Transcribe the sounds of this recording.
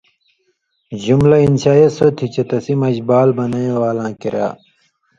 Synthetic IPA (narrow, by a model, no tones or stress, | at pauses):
d͡ʑumlɐinɕaːjesot̪ʰit͡ɕɐt̪ɐsimɐd͡ʑbaːlbɐnɐjẽwaːlãːkiɾa̰ː